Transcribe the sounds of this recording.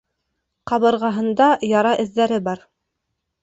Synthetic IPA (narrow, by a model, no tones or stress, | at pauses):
qɑβɤ̆ɾʁɑɦɤ̆nd̪ɑjɑɾɑʔɘ̆ðːæɾɘbɑɾ